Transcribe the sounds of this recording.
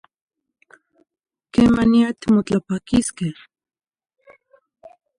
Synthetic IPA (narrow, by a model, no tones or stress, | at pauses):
kemaniat̪imot͡ɬapakiskeh